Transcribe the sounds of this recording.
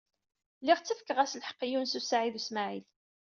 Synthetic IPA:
lːiʁt͡sːəfkːəʁæslħə̥qːijunsusaʕiðusmaʕil

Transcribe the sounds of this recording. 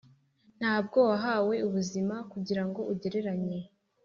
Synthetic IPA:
n̥haːb̚ɡo̞waɦaːwe̞uβuzimakuɟiɾaŋɡo̞ʔuɟe̞ɾe̞ɾaɲe̞

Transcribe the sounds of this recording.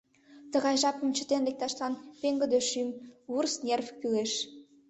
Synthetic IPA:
t̪ə̆ɣɑjʒɑpə̆mt͡ɕə̆t̪enlek̚t̪ɑʃlɑnpeŋɡə̆d̪øʃymursnʲerfkyleʃ

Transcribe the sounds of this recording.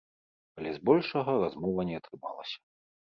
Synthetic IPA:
alʲɛzbɔlʲʂɐɣɐrazmɔvɐnʲɛɐt̪ɾɨma̰lˠɐ̰sʲɐ̥

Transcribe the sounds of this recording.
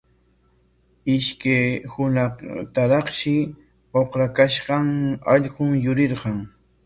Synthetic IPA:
ɪʃkajhʊnɑqt̪aɾɑχʃɪ | oχɾakaʃɢɑŋɑʎqʊŋjʊɾɪɾqɑŋ

